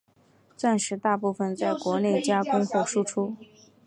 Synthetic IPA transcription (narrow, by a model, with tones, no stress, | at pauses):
t͡sa˥˩nʂɻ̩˧˥t̪a˥˧pu˥˩fə˥˧nt͡sa˥˩ɪkwɔ˧˥ne˥˩ɪt͡ɕja˥kʊ˥ŋxwɔ˥˩ʂu˥ʈ͡ʂʰu˥